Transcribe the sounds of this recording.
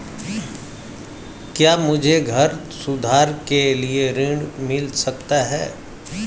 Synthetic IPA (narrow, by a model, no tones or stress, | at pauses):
kjaːmʊd͡ʒʱeɡʱɐɾ | sʊd̪ʱaːɾkelieɾɪ̃ɳɖmɪlsɐkt̪aɦɛː